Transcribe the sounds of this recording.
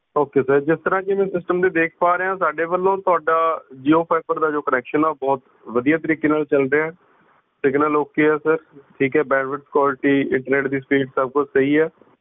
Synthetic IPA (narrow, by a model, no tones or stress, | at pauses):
ɦoːkeːsəɾd͡ʒɪst̪əɾãːkɪmɛ̃ːsɪsʈəmd̪eːd̪eːk̚ʰpaːɾeɦãːsaːɖeːʋəlːõːt̪ʊaːɖaːd͡ʒiːoːpʰaːɪpəɾd̪aːd͡ʒoːkənɛːkʃənaːbɔːt̪ | ʋəd̪ijaːt̪əɾiːkeːnaːlt͡ʃəlɾeːaɛː | sɪɡnəːloːkeːɛːsəɾʈʰiːkɦɛːbɛ̃ːnʋəʈskwaːlɪʈiːɪ̰̃ɳʈəɾneːʈd̪iːspiːɖsəb̚kʊt͡ʃʰsəɦiːɛː